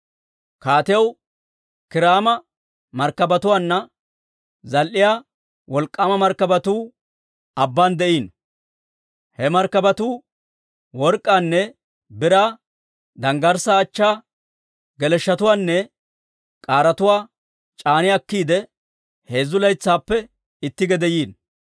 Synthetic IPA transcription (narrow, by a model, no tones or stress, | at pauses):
kaːt̪ɪjɐw | kɪɾaːmɐ | mɐɾkːɐbɐt̪ʊwaːnːɐ | zɐlʔːɪjaː | wɔlkʼːamɐmɐɾkːɐbɐt̪uː | ɐbːaːnd̪ɛʔiːn | hɛmɐɾkːɐbɐt̪uː | wɔɾkʼːaːnːɛ | bɪɾaː | d̪ɐŋɡɐɾsaːt͡ʃːaː | ɡɛlɛʃːɐt̪ʊwaːnːɛ | kʼaːɾɐt̪ʊwaː | t͡ʃʼaːnɪɐkːiːd̪ɛ | he̞ːzːʊlɐjt͡sːaːpːɛ | ɪt̪ːɪɡɛd̪ɛjiːn